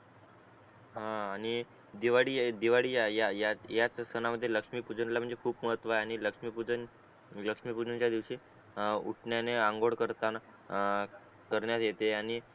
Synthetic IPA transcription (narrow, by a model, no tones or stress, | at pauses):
ɦãaɽ̃i | d̪iʋaɽiːd̪iʋaɽiːjajajajat͡ssənaməd̪ʱːjeləkʂmiːpud͡zənlam̤əɳd͡zekʰuːpməɦət̪ʋaeaɽ̃iləkʂmipud͡zən | ləkʂmiːpud͡zənt͡ɕjad̪iʋɕi | ṵʈʰɳjaneãŋɡoɽkəɾt̪an | kəɾɳjat̪jet̪eaɽ̃i